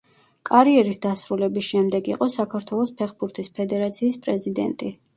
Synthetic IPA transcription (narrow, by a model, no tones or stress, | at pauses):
kʼaɾiɛɾisd̪asɾulɛbisʃɛmd̪ɛɡiqʼɔsakʰaɾt̪ʰwɛlˠɔspʰɛχbuɾt̪ʰispʰɛd̪ɛɾat̪sʰiːspʼɾɛzid̪ɛ̰nt̪ʼi